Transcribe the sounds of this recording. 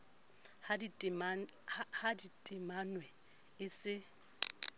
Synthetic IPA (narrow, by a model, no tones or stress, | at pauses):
hadiahahaditʼɪmanwɛ | ɪsɪ